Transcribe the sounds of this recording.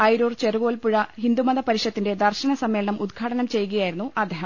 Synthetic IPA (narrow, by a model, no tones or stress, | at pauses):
ɐjɾoːrt͡ɕeruʋoːlpuɻɐɦind̪umɐðɐpɐɾiʂɐt̪ːinde̞d̪ɐrɕɐnɐsɐmːeːlɐɳɐmʔud̪ɡʰʱaːʈɐnɐmt͡ɕe̞jkɐjaːjiɾunːuʔɐd̪ʱːeːɦɐm